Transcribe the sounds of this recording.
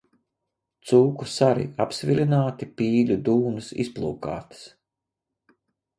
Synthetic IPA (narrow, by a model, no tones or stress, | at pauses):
t̪suːkusaɾḭapsvʲilʲinaːt̪ipiːlʲud̪uːnɨsḭsplˠṵːka̰ːt̪ɨ̥s